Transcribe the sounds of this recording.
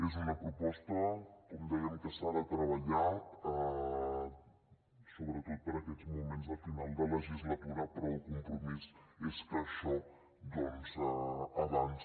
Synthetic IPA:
ezunəpɾupɔst̪əkɔmd̪ɛjəmkəsaðət̪ɾəβəʎat̪ə | soβɾət̪ot̪̚pəɾəkɛd͡zmumenzəfinalˠd̪ələʒizlət̪uɾəpəɾəlˠkumpɾumizespəʃo | d̪onzəəβans

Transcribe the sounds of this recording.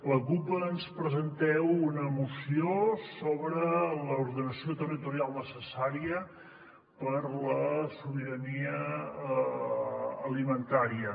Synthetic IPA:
ləkupəːnspɾəzənt̪ɛwunəmusiosoβɾələuɾðənəsiot̪ərit̪uɾialˠnəsəsaɾiə | pəɾləsuβiɾəniə | limənt̪aɾiə

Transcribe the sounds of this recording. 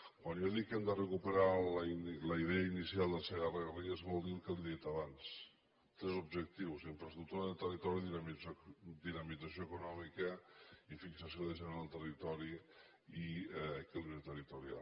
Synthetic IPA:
kwanjaðikːɛmd̪ərəkupəɾalinləiðɛəinisialˠd̪əlseɣərəɣəriezβɔlˠd̪ilkəliðiɛt̪əβans | t̪ɾɛzubʒək̚t̪iwsempɾəst̪ɾut̪uɾəðet̪ərit̪ɔɾiðim | d̪inəmid͡zəsijoekunɔmikəifiksəsijoðəʒənɾəlˠt̪ərit̪ɔɾi | iɛkəliβɾət̪ərit̪uɾia̰lˠ

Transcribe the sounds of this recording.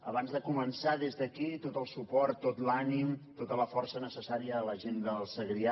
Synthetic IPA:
ə̰βanzðəkumənsaðezðəkit̪ot̪əlˠsupɔrt̪ːot̪lanimt̪ot̪ələfɔrsənəsəsaɾiəːləʒend̪əlˠsəɣɾia

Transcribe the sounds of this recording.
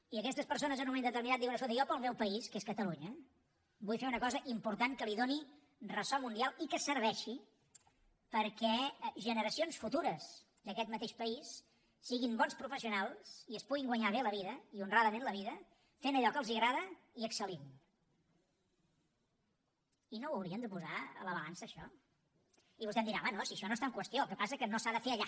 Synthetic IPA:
iəkɛst̪əspəɾsonəzənũmend̪ət̪əɾminat̪̚iwənəsolt̪ijɔpəlˠmewpəiskeskət̪əluɲə | bujfeunəkɔzəʔimpuɾt̪aŋkəliðoni | rəsɔmund̪ialˠikəsəɾβ̞ɛʃi | pəɾkɛʒənəɾəsionsfut̪uɾəz | d̪əkɛt̪mət̪eʃpəisː | iɣimbɔnspɾufəsiunalˠsiəspuɣiŋɡwəɲaβ̞eləβiðəiunraðəmẽnləβ̞iðə | fenəʎɔkəlˠziəɣɾaðə | iəksəlim | inowəwɾiənd̪əpuzaə̰ləβəlansəːʃɔ | iβust̪ɛmd̪iɾamanosiəʃɔnoest̪aŋkwəst̪ioəlˠkəpasəkənosaðəfeəʎa

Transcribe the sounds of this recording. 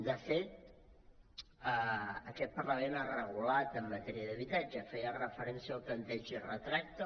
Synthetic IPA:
d̪əfet̪̚ | əəkɛt̪̚pərləmenarəɣulat̪əmːət̪ɛɾiəðəβit̪ad͡ʒəfɛjərəfəɾɛnsiəlˠplənt̪ɛʒərət̪ɾak̚t̪ə

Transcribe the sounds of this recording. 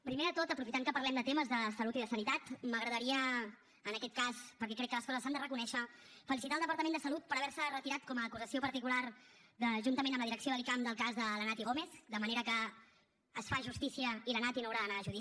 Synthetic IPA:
pɾimeðət̪ot̪əpɾufit̪aŋkəpəɾlɛmd̪ət̪eməzðəsəlut̪iðəsənit̪at̪məɣɾəðəɾiəː | nəkɛt̪̚kaspəɾkɛkɾɛkːələskɔzəsand̪ərəkunɛʃəfəlisit̪alˠdəpəɾt̪əmẽnd̪əsəlut̪̚pəɾəβɛɾsərət̪iɾat̪̚kɔməːkuzəsiopəɾt̪ikularðəʒunt̪əmenəmləðiɾəksioðəlikamd̪əlˠkazðələnat̪iɣomeθd̪əməneɾəkəː | sfaʒust̪isiəilənat̪inowɾaðənaːʒuði

